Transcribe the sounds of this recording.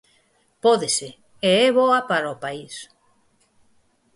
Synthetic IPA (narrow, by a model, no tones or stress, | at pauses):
pɔðese | eɛβɔapaɾopais